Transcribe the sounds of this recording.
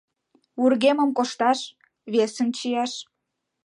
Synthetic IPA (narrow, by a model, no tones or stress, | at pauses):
urɣemə̆mkoʃt̪ɑʃ | βesənt͡ɕijɑʃ